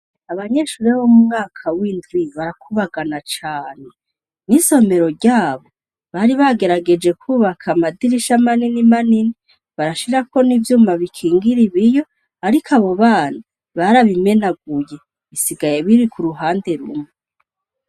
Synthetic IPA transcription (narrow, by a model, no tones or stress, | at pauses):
aβaɲe̞ːʃuɾeβomumŋaːkʰawiːndwiβaɾakʰuβaɡanat͡ʃaːne | niso̞me̞ɾo̞ɾɟaːβo̞ | βaɾiβaɡe̞ɾaɡe̞d͡ʒe̞kʰuːβakʰamadiɾiʃamaninimanini | βaɾaʃiɾako̞nivjuːmaβikʰiːŋɡiɾiβijo̞ | aɾikʰaβo̞βaːna | βaɾaβime̞naɡ̚uje̞ | βisiɡaje̞βiɾikʰuɾuɦaːnde̞ɾumŋe